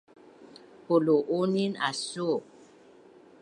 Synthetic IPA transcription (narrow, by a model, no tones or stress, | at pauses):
poloʔonina̰so